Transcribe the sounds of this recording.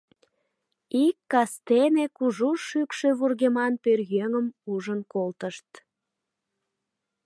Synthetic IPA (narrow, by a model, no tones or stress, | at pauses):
ikːɑst̪enekuʒuʃykʃøβurɣemɑnpørjøŋəmuʒənkolt̪əʃt̪̚